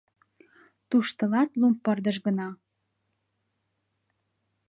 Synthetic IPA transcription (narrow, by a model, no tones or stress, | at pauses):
t̪uʃt̪ə̆lɑt̪lumpːərd̪ə̆ʃɣə̆nɑ